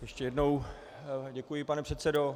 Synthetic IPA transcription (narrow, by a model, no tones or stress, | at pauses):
jɛʃcɛjɛdnow | ɟɛkujɪpanɛpr̥ɛt̪t͡sɛdo